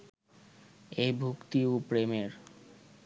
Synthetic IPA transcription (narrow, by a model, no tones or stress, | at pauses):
ejbʱukt̪iopɾemeɾ